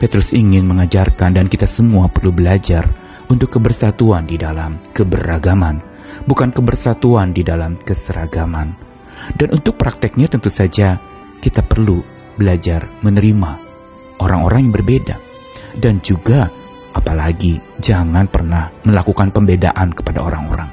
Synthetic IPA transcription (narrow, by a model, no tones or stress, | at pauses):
pet̪ɾʊsiŋɪnməŋad͡ʒarkandankit̪asəmuapərlubəlad͡ʒar | unt̪ʊkːəbərsat̪uandidalamkəbəɾaɡaman | bukankəbərsat̪uandidalamkəsəɾa̰ɡaman | danʔunt̪ʊk̚pɾak̚t̪ɪk̚ɲat̪ənt̪usad͡ʒa | kit̪apərlu | bəlad͡ʒarmənəɾima | oɾaŋoɾaŋjaŋbərbeda̰ | dand͡ʒuɡa | ʔapalaɡid͡ʒaŋanpərnahməlakukanpəmbeda̰ʔankə̥pada̰o̰ɾa̰ŋo̰ɾaŋ